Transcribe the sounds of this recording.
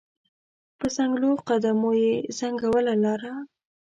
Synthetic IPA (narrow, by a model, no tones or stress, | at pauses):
pəzaŋɡloqad̪amojezaŋɡawəlalɑɾa